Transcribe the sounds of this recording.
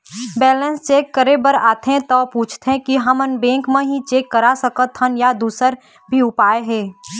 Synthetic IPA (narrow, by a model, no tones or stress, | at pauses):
bɛːlənst͡ʃeːkːəɾebəɾaːt̪ʰɦẽt̪ɔːpuːt͡ʃʰt̪ɦɛ̃kiɦəmənbẽːŋkmẽɦĩt͡ʃeːkːəɾasəkət̪ʰːənjad̪uːsəɾ | bʱiʊpaːeɦɛ̃ː